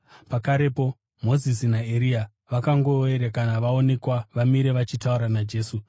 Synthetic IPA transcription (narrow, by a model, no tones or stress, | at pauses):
pakaɾe̞po̞ | mo̞zis̬inaeɾia | ʋakaŋɡo̞eɾekanaʋao̞ne̞kwaʋamiɾe̞ʋat͡ʃitauɾanad͡ʒe̞ːsu